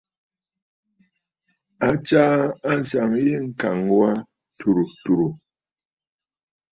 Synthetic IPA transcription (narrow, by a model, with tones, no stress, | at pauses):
a˦t͡ʃa˦a˦n̩˨sa˨ŋje˦ŋ̩˦ka˨ŋwa˦ | tʰu˨ɾu˨tu˨ɾu˨